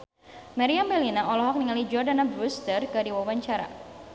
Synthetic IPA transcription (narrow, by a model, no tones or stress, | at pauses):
maɾiambɛlinaɔlɔɦɔk̚niŋalid͡ʒɔrdanabɾust̪ərkɨdiwawaɲt͡ʃaɾa̰